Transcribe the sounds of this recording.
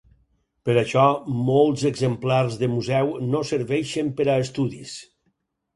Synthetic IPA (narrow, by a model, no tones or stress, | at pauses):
pəɾaʃɔmolˠzəɡzəmplaɾzðəmuzɛwnosəɾβɛʃəmpəɾaːst̪uðis